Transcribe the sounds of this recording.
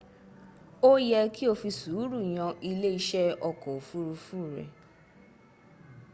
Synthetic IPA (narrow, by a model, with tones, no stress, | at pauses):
o˦jɛ˧ki˦o˧fi˧su˨˦ɾu˦˨j̃ã˧ʔi˧le˦i˧ʃɛ˦ɔ˧kɔ˨fu˦ɾu˧fũ˦˨ɾɛ̰˨